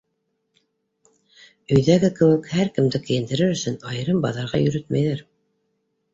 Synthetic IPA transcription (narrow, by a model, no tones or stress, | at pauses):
ɵ̆jðæɡɘkɘ̆wɘ̆khæɾkɘ̆md̪ɘkɘ̆jɘ̆nd̪ɘ̆ɾɘɾɵ̆sɵnɑjɤɾɤmbɑðɑɾʁɑjɵ̆ɾɵt̪mæjðæɾ